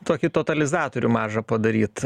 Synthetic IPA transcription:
t̪oːkʲɪt̪ot̪ɐlʲɪzɑːt̪oːɾʲʊmɑːʒɐpɐd̪ɐɾʲiːt̪

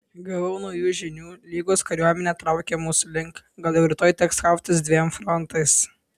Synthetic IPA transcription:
ɡɐʋɐʊnɐʊjuːʒʲɪnʲuːlʲiːɡoːskɐɾʲuɔmʲɛnʲɛːt̪ɾɐʊkʲeːmuːsʊlʲɪŋk | ɡɐlˠjɛʊɾʲɪt̪oːɪt̪ʲɛkskɐʊpʲt̪ʲɪsd̪ʲʋʲiɛmfɾɔnt̪ɐɪs

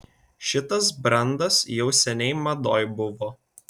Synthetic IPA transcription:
ʃʲɪt̪ɐsbɾɐnd̪ɐsjɛʊsʲɛnʲɛɪmɐd̪oːjbʊʋoː

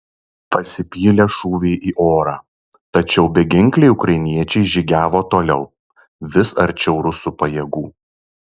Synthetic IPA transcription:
pɐsʲɪpʲiːlʲɛʃuːʋʲeːʔiːʔoːɾɑː | t̪ɐt͡ʃʲɛʊbʲɛɡʲɪŋʲklʲɛɪʊkɾɐɪnʲiɛt͡ʃʲɛɪʒʲiɡʲæːʋoːt̪oːlʲɛʊ | ʋʲɪsɐɾʲt͡ʃʲɛʊɾʊsupɐjɛɡuː

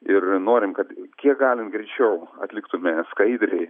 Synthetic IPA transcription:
ɪrnoːɾʲɪmkɐt̪kʲiɛk̚ɡɑːlʲɪnɡɾʲɛɪt͡ʃʲɛʊɐ̰t̪ʲlʲɪkt̪ʊmʲɛskɐɪd̪ʲɾʲɛɪ

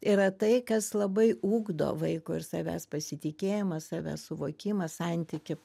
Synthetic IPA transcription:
ɪɾɐt̪ɐɪkɐslˠɐbɐɪʔuːɡd̪o̰ːʋɐɪkʊɪɾsɑːʋʲæ̰ːspɐsʲɪt̪ʲɪkʲeːjɪmɐssɑːʋʲæ̰ːssʊʋoːkʲimɐsɑnʲt̪ʲɪkʲɪ

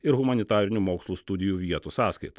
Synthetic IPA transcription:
ɪɾɣʊmɐnʲɪt̪ɑːɾʲɪnʲumoːkslˠuːst̪ʊd̪ʲɪjuːʋʲiɛt̪usɑːskɐɪt̪ɐ

